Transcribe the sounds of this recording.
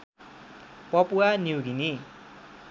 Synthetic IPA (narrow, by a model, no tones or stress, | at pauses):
pʌpuwaniuɡini